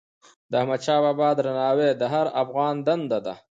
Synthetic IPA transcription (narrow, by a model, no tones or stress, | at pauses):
d̪əahmad̪t͡ʃɑːbɑːbɑːd̪ɾanɑːwed̪əɦaɾafɣɑːnd̪and̪ad̪a̰